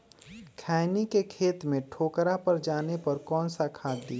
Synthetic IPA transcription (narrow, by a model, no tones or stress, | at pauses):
kʰaːɪnikekʰeːt̪mẽʈʰoːkɾapəɾd͡ʒaːnepɐɾkɔːnsakʰaːd̪iː